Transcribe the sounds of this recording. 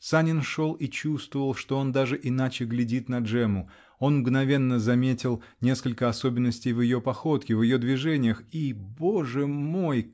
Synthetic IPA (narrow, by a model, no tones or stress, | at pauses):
sanʲɪnʂo̞lˠit͡ɕust̪vəvəlˠʂt̪o̞o̞nd̪aʐɨʔɪnat͡ɕɪɡlʲɪdʲit̪nɐʐɛmʊ | o̞nmɡnɐvʲe̞nːəzɐmʲetʲɪlˠ | nʲe̞skəlʲkəɐso̞bʲɪnːəsʲtʲɪjvjɪjo̞pɐxo̞t̪kʲɪvjɪjo̞d̪vʲɪʐɛnʲɪjəxibo̞ʐɨmo̞j